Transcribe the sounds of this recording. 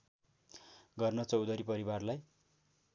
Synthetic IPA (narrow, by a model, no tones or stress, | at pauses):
ɡʌrnʌt͡sʌwd̪ʌɾipʌɾibarlaj